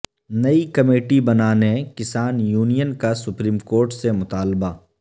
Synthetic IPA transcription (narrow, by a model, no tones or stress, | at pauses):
nɐikɐmeːʈibɐnaːnekɪsaːnjuːnijənkasʊpɾiːmkoːɾʈsemʊt̪aːlbaː